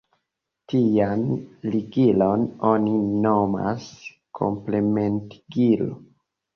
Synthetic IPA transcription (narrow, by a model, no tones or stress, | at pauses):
tijanliɡilo̞no̞ninoma̰s | kʰo̰mplementiɡilo̰